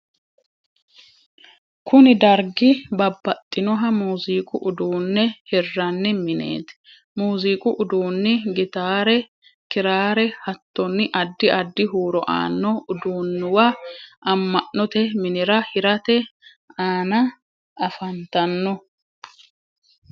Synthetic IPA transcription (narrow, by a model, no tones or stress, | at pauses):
kʊnɪd̪ɐɾɡɪbɐbːɐt̪ʼːɪnɔɦɐmuːziːkʼʊʔʊd̪uːnːɛhɛrːɐnːɪmɪnḛːt̪ɛ̥ | muːziːkʼʊʔʊd̪uːnːɪɡɪt̪aːɾɛ | kɪɾaːɾɛhɐt̪ːɔnːɪʔɐd̪ːɪɐd̪ːɪɦuːɾɔʔa̰ːnːɔʊd̪uːnːɪwaʔɐmːɐʔːɔt̪ɛmɪnɪɾɐhɪɾɐt̪ɛ | aːnɐ | ɐfɐnt̪ɐnːɔ